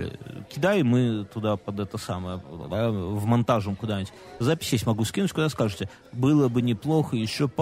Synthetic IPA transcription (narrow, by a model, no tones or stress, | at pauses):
kʲɪd̪ajmɨt̪ʊd̪apɐd̪ɛt̪əsaməjə̰d̪avmɐnt̪aʐəmkʊd̪anʲɪtʲzapʲɪ̥sʲjesʲmɐɡuskʲinutʲkʊd̪askaʐɨtʲɪ | bɨlˠəbɨnʲɪplˠo̞xəjɪɕːop